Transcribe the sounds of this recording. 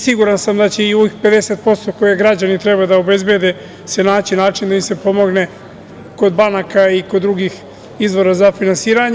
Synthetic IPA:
siɡuɾansamd̪at͡ɕe̞io̞ʋixpe̞d̪e̞se̞t̪̚po̞st̪o̞ko̞jeɡɾad͡ʑanit̪ɾe̞bad̪aobe̞zbje̞d̪e̞ | se̞naːt͡ɕinaːt͡ʃind̪aimse̞po̞mo̞ɡne̞ | ko̞d̪banakaikod̪ːɾuɡix | izʋo̞ɾazafinansiːɾaɲ

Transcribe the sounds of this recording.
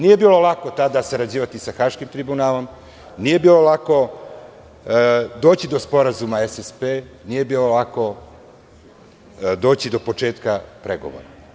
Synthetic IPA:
nije̞biːlˠo̞lako̞t̪ad̪asaɾad͡ʑiːʋat̪isaxaːʃkimt̪ɾibunaːlo̞m | nije̞biːlo̞lˠako̞ | d̪oːt͡ɕid̪o̞spo̞ɾazumaesespeːnije̞biːlo̞lako̞ | d̪oːt͡ɕid̪o̞po̞t͡ʃe̞ːt̪kapɾe̞ɡo̞̰ʋo̞̰ɾa

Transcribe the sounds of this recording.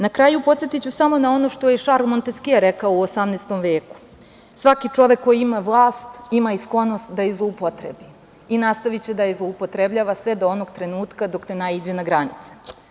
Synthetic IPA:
nakɾajupo̞t̪se̞t̪it͡ɕusamo̞nao̞no̞ʃt̪o̞jeʃaɾumo̞nt̪eskiaɾekaouosamneːst̪o̞mʋe̞ːku̥ | sʋakit͡ʂo̞ʋe̞kːo̞jiimaʋlˠaːst̪imaisklo̞no̞st̪d̪ajezlˠoupot̪ɾḛbi | inast̪aʋit͡ɕed̪ajezlˠo̞upo̞t̪ɾe̞bʎaːʋasʋed̪oono̞ɡt̪ɾe̞nuːt̪kad̪o̞knenaid͡ʑenaɡɾanit̪se̥

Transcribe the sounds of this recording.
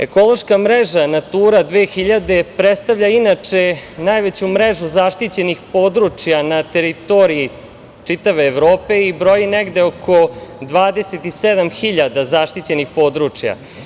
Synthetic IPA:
e̞̰ko̞lˠo̞ʃkamɾeʒanat̪uːɾad̪ʋeːxiʎad̪e̞pɾet̪st̪aʋʎainat͡ʂenajʋet͡ɕumɾeʒuzaʂt̪it͡ɕe̞nixpo̞ːd̪ɾut͡ʂjanat̪e̞ɾit̪o̞ɾii | t͡ʂit̪aʋeːʋɾoːpe̞ibɾo̞jineɡd̪e̞okʰod̪ʋaːd̪e̞set̪ised̪amxiʎad̪azaʃt̪it͡ɕe̞nixpo̞ːd̪ɾut͡ʂja̰

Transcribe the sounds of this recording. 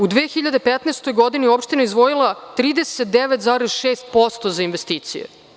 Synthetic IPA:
ud̪ʋeːxiʎad̪epet̪naːst̪o̞jɡod̪iniopʃt̪inaizʋojilˠat̪ɾiːd̪eset̪̚d̪eʋet̪zaːɾezʃeːst̪̚post̪ozainʋest̪iːt̪sḭjḛ

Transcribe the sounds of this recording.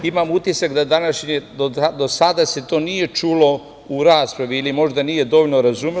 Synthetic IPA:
imamut̪isakd̪ad̪anaʃɲed̪od̪o̞sad̪ase̞t̪o̞ːnije̞t͡ʃuːlo̞ | uɾaːspɾaʋiilimo̞ʒd̪anije̞d̪o̞ʋoʎlnoɾazume

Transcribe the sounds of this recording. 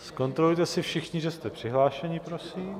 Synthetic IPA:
sko̞nt̪ɾolujt̪ɛsɪfʃɪxɲɪʒɛst̪ɛpr̥ɪɦlaːʃɛɲɪpɾo̞siːm

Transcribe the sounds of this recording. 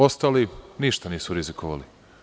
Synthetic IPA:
ost̪aːliniʃt̪aniːsuɾizikʰoʋa̰li

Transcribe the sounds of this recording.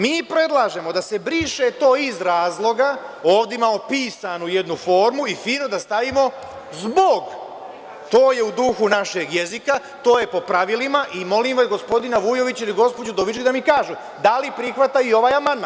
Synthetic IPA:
miːpɾe̞d̪lˠaːʒe̞mo̞d̪ase̞bɾiːʃe̞t̪o̞ːizɾaːzlˠo̞ɡao̞ːʋd̪imamopiːsanuje̞d̪nufo̞ːɾmuifiːno̞d̪ast̪aʋimo̞ | zboɡ | t̪o̞ːje̞ud̪uxunaʃe̞ɡjezika | t̪o̞ːje̞po̞pɾaʋilimaʔimo̞limʋasɡo̞spo̞d̪inaʋujo̞ʋit͡ɕiliɡo̞spod͡ʑud̪oʋit͡ʃid̪amikaːʒu | d̪alipɾixʋat̪aio̞ʋaːjamand̪man

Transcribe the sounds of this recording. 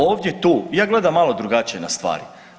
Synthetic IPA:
oːʋd̪je̞t̪uːjaːɡlˠe̞d̪amːalˠo̞d̪ɾuɡat͡ɕijenast̪ʋa̰ːɾi

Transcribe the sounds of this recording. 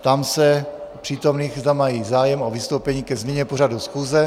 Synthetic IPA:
t̪amsɛpr̥iːt̪omniːɣzd̪amajiːzaːjɛmovɪst̪owpɛɲiːkɛzmiɲɛpoɾadusxuːzɛ

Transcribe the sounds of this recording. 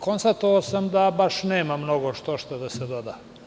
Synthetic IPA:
konst̪at̪oʋasamd̪abaʃneːmamnoɡoʃt̪oʃt̪ad̪ased̪od̪a

